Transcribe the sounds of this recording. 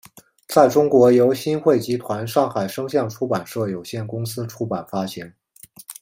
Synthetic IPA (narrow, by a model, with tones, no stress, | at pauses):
t͡sa˥˩ɪʈ͡ʂʊ˥ŋkwɔ˧˥jo˧˥ʊɕi˥nxwe˥˩ɪt͡ɕi˧˥t̪ʰwa˧˥nʂɑ˥˩ŋxa˨˩ɪʂɤ˥ŋɕjɑ˥˧ŋʈ͡ʂʰu˥pa˨˩nʂɤ˥˩jo˨˩ʊɕjɛ˥˩nkʊ˥ŋsɹ̩˥ʈ͡ʂʰu˥pa˨˩nfa˥ɕi˧˥ŋ